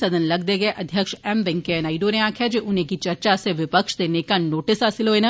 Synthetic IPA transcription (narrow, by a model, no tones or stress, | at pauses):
sɐd̪ʱənlɐɡd̪eɡɐeʔɐd̪ʱjəkʃɛmbɛ̃ŋkenaːɪiɖoneaːkʰjad͡ʒeʔʊnɦẽkit͡ʃɐɾt͡ʃaseʋɪpəkʃd̪eːnekanoːʈɪsɦaːsɪlɦoːena